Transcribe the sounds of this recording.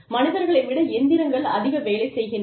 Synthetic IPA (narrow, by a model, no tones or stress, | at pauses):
mɐnɪðɐɾɣɐɭɪʋɪɽɐɛnnd̪ɪɾɐŋɡɐɭɐðɪɣɐʋeːlɐɪsɛjɣɪn